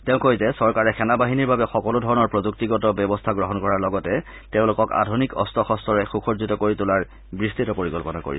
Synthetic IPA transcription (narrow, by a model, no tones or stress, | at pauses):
teʊ̃kojzɛsɔɹkaɹɛxʰɛnabaɦiniɹbabɛxɔkɔlodʱɔɹɔnɔɹpɹozuk̚tiɡɔtɔbɔbɔstʰaɡɹɔɦɔnkɔɹaɹlɔɡɔtɛ | tẽʊ̃lʊkɔka̰dʱunikɔ̰stʰɔxɔstʰɔɹɛxuxozitɔkoɹitʊlaɹ | bɹistitɔpoɹikɔlpɔnako̰ɹḭ